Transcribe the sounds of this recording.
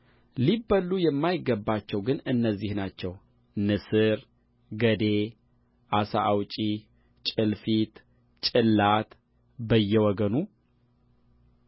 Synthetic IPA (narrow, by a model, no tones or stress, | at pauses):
libəlːujɛmːajɪɡːəbːat͡ʃːɛwɡɨnɨnːəzːihnat͡ʃːɛw | nɨsɨɾ | ɡəd̪e | ʔasaʔawt͡ʃʼi | t͡ʃʼɨlfit̪ | t͡ʃʼɨlːat̪ | bəjːɛwɔɡənu